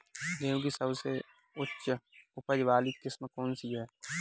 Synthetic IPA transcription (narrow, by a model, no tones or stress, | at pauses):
leõkisəbse | ʊtːʃʊpəd͡ʒʋaːlikɪsmkɔːnsiɦɛː